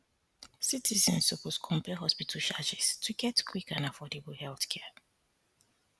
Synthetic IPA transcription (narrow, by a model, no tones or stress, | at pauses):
sitʰizə̃nsokɔskʰɔ̃mpɛɦɔspitʰəʃad͡ʒistʰuɡɛtkʰwikãnafɔdebəl̩hɛlˠθkʰɛ